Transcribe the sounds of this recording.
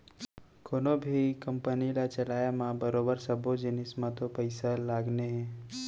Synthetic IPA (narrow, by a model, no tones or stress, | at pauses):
koːnobʱikəmpənilat͡ʃɐlaːjamãbəɾoːbəɾsəbod͡ʒɪnɪsmãt̪opəɪsalaːɡneɦɛ̃ː